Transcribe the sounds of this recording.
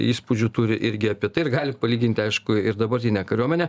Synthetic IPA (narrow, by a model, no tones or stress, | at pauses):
iːspʊd͡ʒʲut̪ʊɾʲɪʔɪɾʲɡʲɪɐpʲiɛt̪ɐɪɪrɡɑːlʲɪpɐlʲiːɡʲɪnʲt̪ʲɪɐɪʃkʊɪɾd̪ɐbɐɾʲt̪ʲɪnʲɛkɐɾʲuɔmʲɛnʲɛ